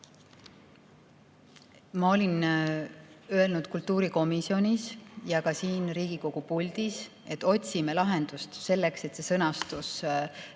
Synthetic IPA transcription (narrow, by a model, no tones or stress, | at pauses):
mɑo̞lʲin | ø̞e̞lnud̪̥̚kult̪ːuːɾiko̞misio̞nʲisjɑkɑsiːnɾiːɡ̥iko̞ɡ̥upulʲd̪̥is | e̞t̪ːˑo̞t̪ʲsimelɑɦe̞nd̪̥ust̪se̞lːe̞kse̞t̪se̞sɤ̞nɑst̪us